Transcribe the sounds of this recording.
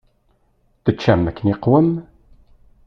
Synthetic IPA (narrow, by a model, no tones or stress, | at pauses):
θət͡ʃːæmːækːəniqːwəm